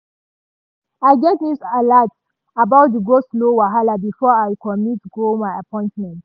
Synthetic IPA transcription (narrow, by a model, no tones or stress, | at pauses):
aɪɡɛt̚misalats | abaʊt̚tuɡoslowaɦalabifɔajkʰɔmitːɡomaɪapʰɔ̃ɪ̃ntmɛ̃nt